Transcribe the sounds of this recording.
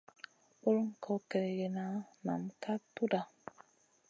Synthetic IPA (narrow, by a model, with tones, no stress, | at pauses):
u˦ɾŋ̩˦kʰɔ˦ke˨ɾe˨ɡe˨na˦na̰˨m˨kʰa˦tu˦da˨